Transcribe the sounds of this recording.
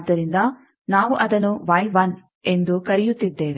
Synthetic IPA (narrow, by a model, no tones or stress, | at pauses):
d̪ːɐɾind̪ɐ | naːʋuʔɐd̪ɐnuʋɐjʋɐn | e̞nd̪ukɐɾijut̪ːid̪ːeːʋe